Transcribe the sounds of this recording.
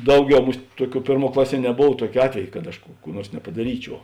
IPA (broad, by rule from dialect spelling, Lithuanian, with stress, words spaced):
ˈdɐʊˌɡʲɛʊ ˈmʊsˈt ˈtuɔˌkʲuː ˈpʲeːrˌmuɔ ˈklˠɑːˌsʲiɛ nʲɛˈboːw ˈtuɔkʲeː ˈɑːtʲʋʲɛj kɐt ɐʃ ˈkuː kuː ˈnuɔrs nʲɛpɐdɐˈrʲiːˌt͡ʃʲuɔ